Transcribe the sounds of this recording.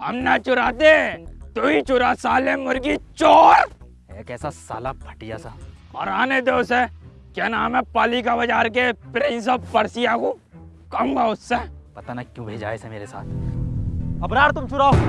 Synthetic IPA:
ɦɐmnat͡ʃʊɾaːt̪et̪oit͡ʃʊɾasaːlemʊɾɡit͡ʃoːɾ | ɛ̰ːkɛːsasa̰ːlapʰɐ̥ʈijasa | ɔɾaːned̪eʊse | keːnaːmẽpaːlikabɐd͡ʒaːɾk̬epɾɪ̃ns̬əppɐɾsijakũː | kɐɦũːɡaʊsːepɐt̪anakjũːbʱeːd͡ʒa̰ːesɛ̃meːɾesa̰ːt̪̚ʰ | ɐbɾaːɾt̪ʊmt͡ʃʊɾaːo

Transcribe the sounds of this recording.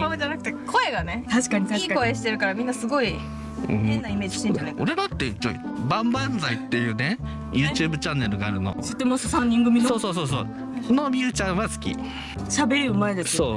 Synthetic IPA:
amɯd͡ʑanakɯ̟t̪e̞kʰo̞e̞ɡane̞t̪aɕi̥kaɲ̟it̪aɕkakoeɕi̥t̪e̞ɾɯ̟kaɾamʲĩnːasɨɡo̞i | ɯ̰̃ːenaime̞ːd͡ʑiiɕt̪ẽɲaneoɾe̞d̪at̪ːeio̰ | bãmbãnd͡zait̪ːe̞jɯ̟ːne | jʔɯ̟ːt͡ɕɯːbɯ̟t͡ɕãnːe̞ɾɯ̟ɡaːɾɯ̟no̰sot̪ːemososãɲʲːĩŋɡɯmʲinsoːso̞ːso̞ːsoː | no̞mʲiɯ̟t͡ɕãɰ̃βasɨ̥kʲḭ | ɕabe̞ɾɯmaed̪essoː

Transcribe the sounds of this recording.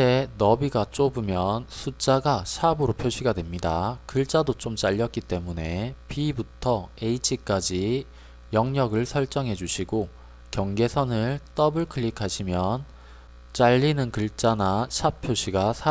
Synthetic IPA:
e̞nʌbiɡat͡ɕ͈obɯmjʌnsʰut͡ɕ͈aɡaɕʰabɯɾopʰjoɕʰiɡadwe̞mɲidakɯɭt͡ɕ͈adot͡ɕ͈omt͡ɕ͈aʎːʌt̚k͈it͈e̞mune̞pibutʰʌeit͡ɕʰik͈ad͡ʑi | jʌŋɲʌɡɯɭsʰʌɭt͡ɕ͈ʌŋɦe̞d͡ʑuɕʰiɡo | kjʌŋɡe̞sʰʌnɯɭt͈ʌbɯɭkʰɯʎːikʰaɕʰimjʌn | t͡ɕ͈aʎːinɯnkɯɭt͡ɕ͈anaɕʰapʰjoɕʰiɡasʰa

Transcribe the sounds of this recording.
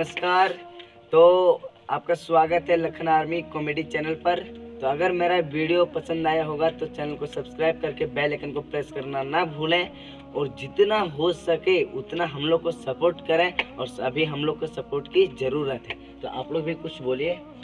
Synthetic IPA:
əskaːɾ | t̪oː | aːp̚kaswaːɡət̪ɦɛlɐkʰənaːɾmikɔmeːɖit͡ʃɛːnəlpɐɾt̪oɐɡəɾmeːɾaʋiːɽijopɐsə̃nd̪aːjaɦoːɡat̪ot͡ʃɛːnəlkosɐbskɾaːɪb̚kɐɾkebɛːlekʰənkopɾeːskɐɾnanɐbʱuːlẽ | ɔːɾd͡ʒɪt̪naɦosɐkeʊt̪naɦɐmloːɡ̚kosɐpoːɾʈkɐɾẽɔːɾsɐbʱiɦɐmloːɡ̚kosɐpoːɾʈkizɐɾuːɾət̪ɦɛː | t̪oʔa̰ːploːɡbʱikʊt͡ʃʰboːlieː

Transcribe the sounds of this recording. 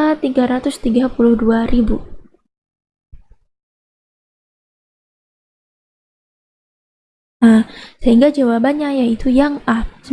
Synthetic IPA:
t̪iɡaɾat̪ʊst̪iɡapulʊhduaɾibu | asəɦiŋɡad͡ʒawabanɲajait̪ʰujaŋas

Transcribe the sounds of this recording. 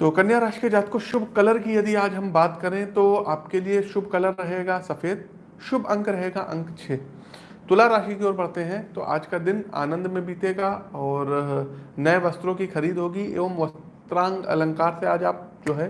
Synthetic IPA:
t̪oːkɐnjaːɾaːʃked͡ʒaːt̪koʃʊbʱkɐləɾkijɐd̪iaːd͡ʒɦɐmbaːt̪kɐɾẽt̪oːaːpkelieʃʊbʱkɐləɾːɐɦeːɡasɐfeːd̪̚ | ʃʊbʱɐ̃ŋkɾɐɦeːɡaʔɐ̰̃ŋkt͡ʃʰeː | t̪ʊlaɾaːʃikioːɾbɐɽ̤t̪eɦɛ̃t̪o̰ʔa̰ːd͡ʒkad̪ɪna̰ːnə̃nd̪mẽbiːt̪eɡaɔːɾnɐeʋɐst̪ɾõkixɐɾiːd̪ɦoːɡiḛːʋəmʋɐs | t̪ɾãːŋɡɐ̰lɐ̃ŋkaːɾseaːd͡ʒaːp̚d͡ʒoːɦɛː

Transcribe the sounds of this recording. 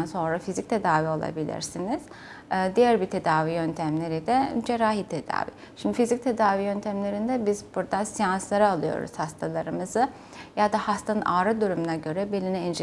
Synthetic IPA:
nso̞nɾafizic̚t̪ʰe̞d̪aːvio̞lˠa̰bilʲḭɾsiniz̥ | d̪ijæɾbit̪ʰe̞d̪aːvijønt̪ʰæmlʲe̞ɾid̪ɛd͡ʒeɾaːɦit̪ʰe̞d̪a̰ːvḭ | ʃimd̪ifizic̚t̪ʰe̞d̪aːvijø̞nt̪ʰæmlʲe̞ɾind̪ɛbizbuɾd̪asijanslˠaɾaːlˠɯjo̞̰ɾṵz̥hast̪ʰalˠaɾɯmɯzɯ | jad̪ahast̪ʰanɯnʔaːɾɯd̪uɾumunaɟø̞ɾɛbelʲiniɛnd͡ʒ

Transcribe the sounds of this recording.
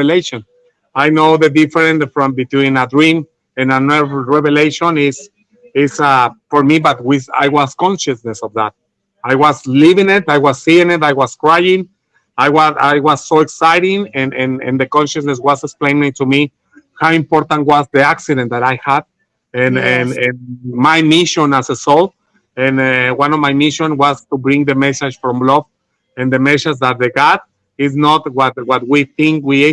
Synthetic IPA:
eleʃõn | ajnoʊðədifəɾẽnsfɹɔ̃mbit̪wĩnad̪ɹĩŋ | ɨ̃nanɛvɹeveleʃõnis | ɪsafoɾmibat̪̚wiða̰jwaskɔ̃nʃasnesɔvðæt̪̚ | ajwazlivĩŋɪt̪ajwassiĩŋɪtajwaskɹajĩŋ | ajwaajwasːoeksajɾĩŋɛ̃nɛ̃nɛ̰̃nd̪ɨkɔ̃nʃasnes̬waseksplẽɪ̃nmĩtumi | hawĩmpɔɾt̪ãntwazðiaksiɾẽnt̪̚ðaɾajhad | ɛ̃nnɛ̃nmajmiʃɔ̃nasəsɔlt | ɛ̃nwãnɔvmajmiʃõnwazt̪ubɾĩŋðəmɛsad͡ʒfɹɔ̃mblɔf | ɛ̃nd̪əmɛsasðat̪̚ðeɡad | ɪz̬nɔt̪wat̪̚wat̪̚wiθĩŋkwi

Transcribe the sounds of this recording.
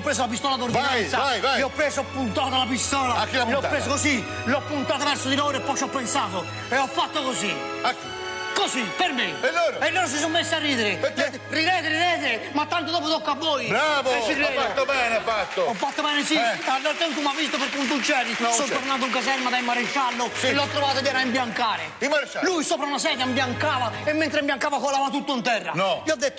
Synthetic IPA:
wpɾes̬oapist̪ɔlaðoɾðinajnsaajvajewpɾezʊapunt̪aðalap̬ist̪ɔlaakiopɾesokosi | lɔpunt̪at̪vɛɾsoðiloɾepɔʃɔpensavo | eɔfat̪ːoɣozi | aki | kozipeɾmẽeloɾenõns̬ɪs̬omːesariðeɾɪ | riðeðɾiðɛðɾɪmat̪ːant̪od̪ɔːp̬ot̪ɔkːabːɔːjbɾaːvɛt͡ʃːirɔɛfat̪ːobɛːnafat̪ːoɔfːat̪ːobɛːnɪsialːoɾt̪ɛnt̪umavːist̪opɪɾkːunt̪ut͡ʃːɛːd̪isɔnoɾnat̪̬uŋkazɛɾmad̪aimːaɾeʃːalːoloat̪ːɾovaːt̪odjɛːɾaimbjaŋkaːɾɪ̰imːaɾt͡ʃːalujsoːpɾaunasɛːd̪ambjaŋkaːvaɪmːent̪ɾɪmbjaŋkaːvakolaːvat̪ut̪ːʊnt̪ɛrːa̰nɔiɔd̪ːet̪ːo̥

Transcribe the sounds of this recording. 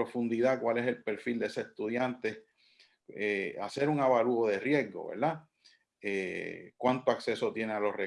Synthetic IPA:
ofund̪iðakwale̞se̞lpe̞ɾfild̪eeseest̪uðjant̪e | ea̰se̞ɾuŋaβaluoðe̞rje̞zɡo̞̰βḛɾd̪a | ekwant̪oakse̞so̞t̪je̞nealo̞hre

